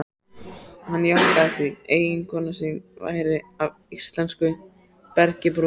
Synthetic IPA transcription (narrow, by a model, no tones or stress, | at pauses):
hanːjahkaθieːjɪŋkʰɔːnasinva̰ːjɾɪav | ist̪lɛnskʏ | pɛɾcɪpɾ